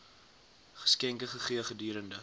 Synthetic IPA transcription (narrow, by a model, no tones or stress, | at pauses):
χə̥skɛŋkəχəχiəχədiːɾəndə